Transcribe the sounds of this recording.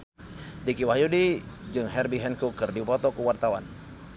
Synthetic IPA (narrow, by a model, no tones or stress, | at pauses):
dikiwahjudid͡ʒɨŋɦɛrbiɦɛnkukərdipɔt̪ɔkəwart̪awan